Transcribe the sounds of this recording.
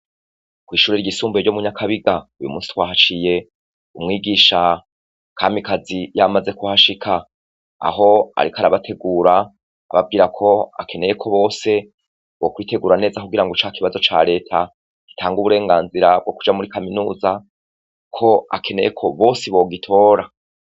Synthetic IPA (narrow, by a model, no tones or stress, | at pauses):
kwiːʃuːɾiɾɟisuːmbeɟomuɲakʰaβiɡaujṵmṵːnsi̥twaːɦat͡ʃije̞ | umŋiːɡiːʃa | kʰaːmbikazijamaze̞kuhaʃikʰa̰ː | ho̞a̰ɾikaɾaβatʰe̞ɡuːɾa | a̰βab̚ɡiːɾakʰo̞a̰kʰe̞ne̞je̞kʰo̞βo̞ːse̞ | βo̞kwiːte̞ɡuːɾane̞ːzakuɡiɾaŋɡot͡ʃakiβazo̞t͡ʃa̰ɾe̞ːtʰa | ɡ̥i̥tʰaːŋɡuβuɾe̞ːŋɡaːnziɾab̚ɡo̞ku̥d͡ʒamuɾikaminuːza | kʰo̞a̰kʰe̞ne̞̰jekʰo̞βo̞ːsiβo̞ːɡitʰo̞ːɾa